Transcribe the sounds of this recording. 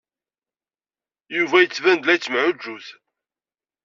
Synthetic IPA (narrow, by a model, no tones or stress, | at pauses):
juvæjət͡sːvænd̪læt͡sːmʕʊd͡ʒːuθ